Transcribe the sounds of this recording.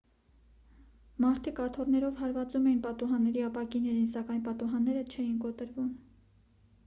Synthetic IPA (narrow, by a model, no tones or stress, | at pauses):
mɑɾt̪ʰikɑt̪ʰɔrnɛɾɔvɦɑɾvɑt͡sumɛjinpɑt̪uɦɑnːɛɾiɑpɑkinɛɾinsɑkɑjnpɑt̪uɦɑnːɛɾət͡ʃʰɛjinkɔt̪əɾvum